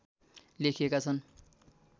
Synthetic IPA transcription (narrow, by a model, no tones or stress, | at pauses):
lekʰijekat͡sʰʌn